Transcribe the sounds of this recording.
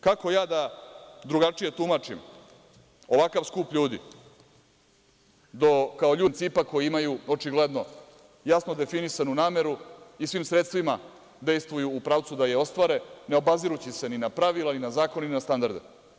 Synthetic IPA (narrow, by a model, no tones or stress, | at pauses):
kako̞jaːd̪ad̪ɾuɡat͡ʂije̞t̪umat͡ʂim | o̞ʋakaʋskuːpʎuːd̪ḭ | d̪o̞kao̞ʎuːnt̪siːpako̞jiimajuot͡ʂiɡled̪no̞ | jasno̞d̪e̞finisanunaːme̞ɾuisʋiːmsɾet̪st̪ʋima | d̪e̞jst̪ʋujuːpɾaːʋt̪sud̪ajeo̞st̪ʋaɾe̞ne̞o̞baziɾut͡ɕise̞ninapɾaʋilaninazaːkoneninast̪and̪aɾd̪ḛ